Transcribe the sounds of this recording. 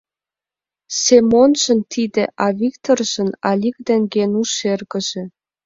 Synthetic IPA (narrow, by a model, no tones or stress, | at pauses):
semonʒə̆nt̪id̪ĕʔɑβikt̪orʒ̥ə̆nɑlʲik̚d̪eŋɡenuʃerɣə̆ʒ̥ĕ